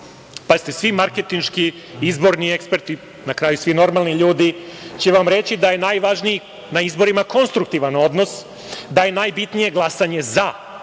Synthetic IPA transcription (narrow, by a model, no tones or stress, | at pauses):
pazit̪e̞sʋimaɾke̞t̪inʃki | izbo̞ɾnie̞kspe̞ɾt̪i | nakɾaːjusʋino̞ɾmalˠniʎuːd̪it͡ɕeʋamɾe̞t͡ɕid̪aje̞najʋaʒniji | naizbo̞ɾimako̞nst̪ɾuk̚t̪iʋano̞d̪no̞s | d̪aje̞najbit̪nije̞ɡlˠasaɲe̞za